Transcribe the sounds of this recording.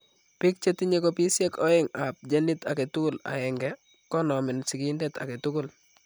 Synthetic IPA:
pɪ˦k̚t͡ʃe˦ti˦ɲe˦ko˦pi˦sje˦kɔ˦ɪ˦ŋa˨p̚d͡ʒe˦nɪ˦ta˨ke˨tʊ˦kʊ˦la̰˨ɛ˨ŋɡɛ | kɔ˦nɔ˨mɪ˨nsɪ˨kɪndɛta̰˨ke˨tʊ˦kʊ˦˨l

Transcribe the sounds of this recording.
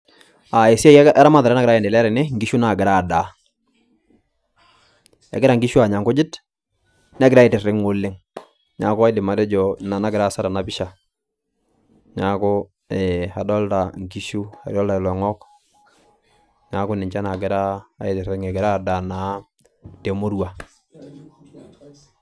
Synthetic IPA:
a˨e˨si˦a˦ɛ˦ɾa˦ma˦tðaɾna˦ɡɪɾa˦jɛ˨ndɛ˨lɛ˦ɾɛ˨nɛ˦ŋɡi˦ʃu˦na˨ɡɪ˨ɾa˦˨da˨ | ɛ̰˨ɡɪɾa˦ŋɡi˦ʃu˦a˨ɲa˨ŋɡʊ˦d͡ʒɪ˦t | nɛ˦ɡɪ˨ɾa˦ɪ˨tɪ˨rɪ˦ŋo˨lːɪ˦ŋ | ɲa˨˦ko˦a˦jdɪ˨ma˨dɛ˦d͡ʒɔ˨na˨na˦ɡɪ˨ɾa˦˨sa˦ɾa˨na˨bɪ˦ʃa˨ | ɲa˨kʊ˦ | ɛ˨a˨dɔ˦lta˨ŋki˦ʃu˦a̰˨ɾjɔ˦lta˨i˨lɔ˨ŋɔ˦k | ɲa˨˦kʊ˦nɪ˨ɲt͡ʃa˦na˨ɡɪ˦ɾaː˦˨e˨tɪ˨ɾɪ˦ŋe˨ɡɪ˨ɾa˦˨da˨na˨ | te˨mo˦ɾwa˨

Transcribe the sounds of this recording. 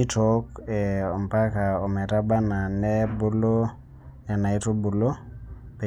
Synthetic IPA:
i˦to˦kɛ˨ɔ˨m˨pa˦ka˨o˨mɛ˨ta˦ba˦na˨nɛ˦bu˦lo˦ | ja˨na˨i˦to˦bu˨lo˦ | pe˨

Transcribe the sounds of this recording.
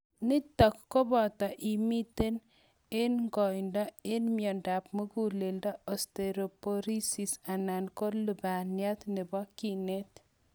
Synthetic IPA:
ni˦tɔ˨kːo˦bɔ˨t̪ɔ˨ʔimi˦t̪e˦n | enŋɡɔ˨jndɔ˦enmjɔndap̚mu˦kulendɔ˦ɔsteɾopoɾi˦sisana˨nko˦lu˨banja˦t̪ne˨bɔkinet

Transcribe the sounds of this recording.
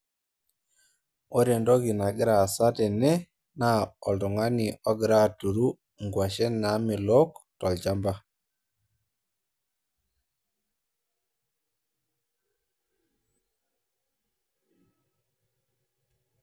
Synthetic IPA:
o˦ɾjɛ˨ndɔ˦ɡi˨na˨ɡɪ˦ɾa˨sa˦tɛ˨nɛ˦ | na˦ɔ˨ldɔ˨ŋa˦ni˨ɔ˦ɡɪ˨ɾa˦˨tu˨ɾu˦ | ŋɡwa˨ʃɛ˦na˨˦mɪ˨lɔ˦ktɔ˨ld͡ʒa˦mba˦

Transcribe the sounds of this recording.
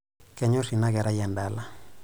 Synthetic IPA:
kɛ˨ɲɔ˦si˨na˦ɣɛ˨ɾa˦janda˦la˨

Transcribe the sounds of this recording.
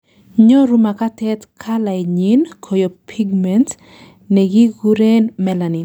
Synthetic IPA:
ɲo˦ɾu˦ma˨ka˦tɛ˦t̪kʰa˦la˨jɲi˦nkʰo˨jo˨pʰi˦ɡmɛnt | ne˨ɡi˦ɡu˦ɾenmɛla˨ni˨n

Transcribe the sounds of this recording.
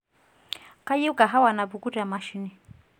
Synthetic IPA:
ka˦ji˦u˦ka˨ɦa˦wa˨na˨bu˨ku˦ta˨ma˨ʃi˦ni˨

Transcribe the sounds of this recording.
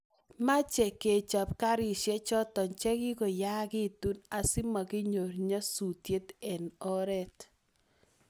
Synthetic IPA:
ma˦t͡ʃɛ˨ke˨t͡ʃa˨p̚ka˦ɾɪ˨ʃe˦t͡ʃɔ˦tɔ˨ɲt͡ʃɛ˦kɪ˦ko˨ja˦kɪ˦tu˦na˨sɪ˦ma˨kɪ˦ɲo˨ɾɲa˦su˨tje˦tɛ˨nɔ˦ɾɛ˦t

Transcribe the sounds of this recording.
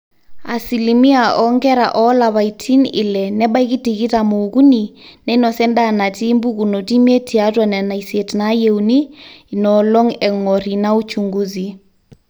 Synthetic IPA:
a̰˨si˨limi˦a˨ʔɔŋɡɛ˦ɾa̰ʔɔla˨βa˨itʰi˦nɪ̰˨lɛ˨nɛ˦ɓa˦i˦ki˦ti˨ɣi˦ta˨moːku˦ni˨nɛ˦nɔ˨sɛ˦nda˦na˨ti˦mbu˦ku˨no˨ti˦mi˦e˦tʰi˨a˦twa˨nɛ˨na˨ise˨tna˦je˦uni˦nɔlɔ˦ŋɛ˨ŋɔ˨ɾi˨na˦u˦t͡ʃu˨ŋɡu˦zi˨

